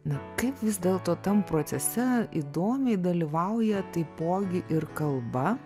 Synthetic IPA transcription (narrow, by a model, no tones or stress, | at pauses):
nɐkɐɪpʋʲɪzʲd̪ʲeːlˠt̪oːt̪ɐmpɾoːt̪sʲɛsʲɛid̪oːmʲɛɪd̪ɐlʲiʋɐʊjɛt̪ɐɪpoːɡʲɪʔɪrkɐlˠbɐ